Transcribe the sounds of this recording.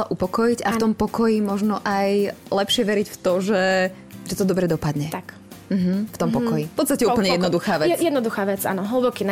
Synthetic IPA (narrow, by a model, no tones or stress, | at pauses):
laʔupɔkɔjiɟaft̪ɔmpɔkɔjimɔʒnɔʔajlɛpʃɪɛʋɛɾicft̪ɔʒɛ | ʒɛt̪ɔd̪ɔbɾɛd̪ɔpad̪ɲɛt̪ak | m̩ɦ̩ft̪ɔmpɔkɔjifpɔt̪st̪acɛupl̩ɲɛjɛd̪ɔd̪uxaːʋɛjɛd̪nɔd̪uxaːʋɛt͡sa̰nɔɦl̩bɔkiːn